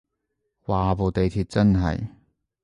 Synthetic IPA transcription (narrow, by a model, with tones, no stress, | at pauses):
waː˨˩po˨wt̪e˨jt̪ʰiː˧t̚t͡sɐ˥nɦɐ̰˨j